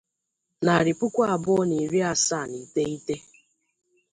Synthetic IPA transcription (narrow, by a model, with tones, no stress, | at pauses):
na˨ɾɪ˨pʊ˦kʷa˦a˨bʊ˦ɔ˦ni˨ɾi˦a˦˨sa˦˨ni˨te˦i˦te˦